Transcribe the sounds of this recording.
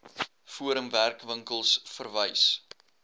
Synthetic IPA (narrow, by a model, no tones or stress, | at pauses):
fuəɾəmværkvəŋkəlˠsfərvəjs